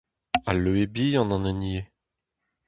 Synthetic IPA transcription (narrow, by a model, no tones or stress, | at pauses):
aløebiːɑ̃nɑ̃nɛnie